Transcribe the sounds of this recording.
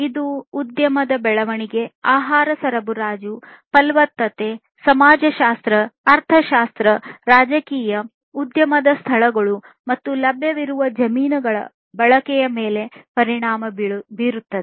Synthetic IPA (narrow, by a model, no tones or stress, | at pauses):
id̪uːd̪jɐmɐd̪ɐbɛɭɐʋɐɳiɡe̞aːɦaːɾɐsɐɾɐbuɾaːd͡ʒu | pɐlʋɐt̪ːɐt̪e | sɐmaːd͡ʒɐʃaːst̪ɾɐːɾt̪ʰɐʃaːst̪ɾɐɾaːd͡ʒɐkiːjɐ | ud̪jɐmɐd̪ɐst̪ʰɐɭɐɡɐɭu | mɐt̪ːulɐbʱjɐʋiɾuʋɐd͡ʒɐmiːnɐɡɐɭɐ̰ | bɐɭɐkɛjɐmeːle̞pɐɾiɳaːmɐbbiːɾut̪ːɐd̪e